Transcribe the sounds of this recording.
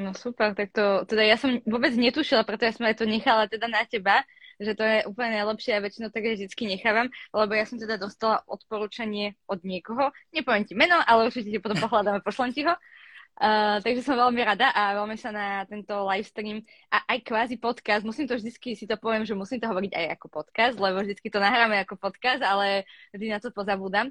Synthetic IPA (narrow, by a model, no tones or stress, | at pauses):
nɔsupɛɾt̪ak̚t̪ɔt̪ɛd̪ajasɔmʋʊɔbɛd͡zɲɛt̪uʃilˠapɾɛt̪ɔjasɔmajt̪ɔɲɛxalat̪ɛd̪anacɛba | ʒɛt̪ɔjɛʔuːpl̩ɲɛnajlɛpʃɪɛaʋɛt͡ʃinoʊt̪aɡɛvʒd̪it͡skiɲɛxaːʋamlɛbɔjasɔmt̪ɛd̪ad̪ɔst̪alaʔɔt̪pɔɾuːt͡ʃaɲɪɛɔd̪ɲɪɛkɔɦɔɲɛpɔʋjɛmcimɛnɔʔalɛuɾt͡ʃicɛcɛpɔt̪ɔmpɔɦlad̪amapɔʃlɛmciɦɔ | t̪aɡʒɛsɔmʋɛlmiɾad̪aʔaʋɛlmɛsanat̪ɛnt̪ɔlajfst̪ɾiːm | ʔaʔajkʋaːzipɔt̪kazd̪musiːmt̪ɔvʒd̪it͡skisit̪ɔpɔʋɪɛmʒɛmusiːmt̪ɔɦɔʋɔɾiɟa̰ja̰kɔpɔt̪kazt̪lɛβɔvʒd̪it͡skit̪ɔnaɦɾaːmɛakɔpɔt̪kazd̪alɛʒd̪inat̪ɔpɔzabuːd̪am